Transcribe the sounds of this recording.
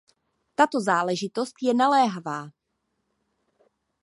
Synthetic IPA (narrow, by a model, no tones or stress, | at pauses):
t̪at̪o̞zaːlɛʒɪt̪o̞st̪jɛnalɛːɦavaː